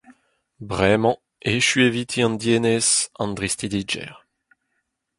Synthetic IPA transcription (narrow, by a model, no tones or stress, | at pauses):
bʁɛmɑ̃ | eʃyevit̪ʰiɑ̃nd̪jenezɑ̃nd̪ʁist̪idid͡ʒɛ̰ʁ